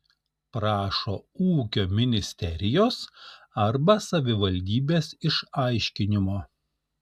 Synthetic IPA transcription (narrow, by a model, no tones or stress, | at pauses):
pɾɑːʃoːuːkʲoːmʲɪnʲɪsʲt̪ʲɛɾʲɪjoːs | ɐɾbɐsɐʋʲɪʋɐlʲd̪ʲiːbʲeːsɪʃɐɪʃʲkʲɪnʲɪmoː